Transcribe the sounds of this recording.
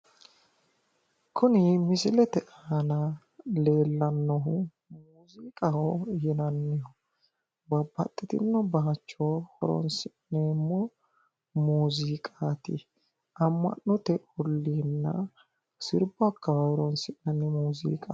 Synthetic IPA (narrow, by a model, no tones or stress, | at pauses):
kʰʊnɪmɪsɪlɛt̪ɛʔaːnɐ | le̞ːlːɐnːɔɦʊ | muuːziːkʼɐhojɛnɐnːɪjɔ | bɐbːɐt̪ʼːɛt̪ɪnːɔbaːt͡ʃːohɔɾɔ̰nsɪʔneːmːɔ | muːziːkʼaːt̪ɪ̰ | ɐmːɐ̰nːɔt̪ɛɔlːiːnːɐ̰ | sɪɾbɐkːɐhɔɾɔnsɪʔnɐnːɪmuːzḭːkʼɐ